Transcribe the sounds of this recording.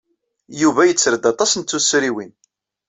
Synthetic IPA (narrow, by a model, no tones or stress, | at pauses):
juvæjət͡sːɾəd̪ɑt̪ˤɑsənt̪ːusɾiwin